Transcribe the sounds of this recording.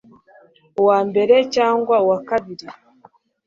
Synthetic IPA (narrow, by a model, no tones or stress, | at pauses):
waːmbe̞ɾecaːŋɡwawakaβiɾi